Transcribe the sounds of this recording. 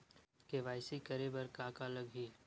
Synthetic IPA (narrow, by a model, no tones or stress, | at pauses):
keʋaːɪsikɐɾebəɾkaːkaləɡɦiː